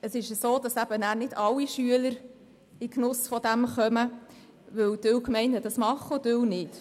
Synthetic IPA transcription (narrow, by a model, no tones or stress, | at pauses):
əsɪʃəsoːd̥ɑsæb̥ənæːɾnɪd̥ɑlːiʃyələɾ | ɪknʊsfɔd̪æmχœmə | ʋɵwdøwkmɛɪnəd̥̪ɑsmɑχod̥ʏwnɪt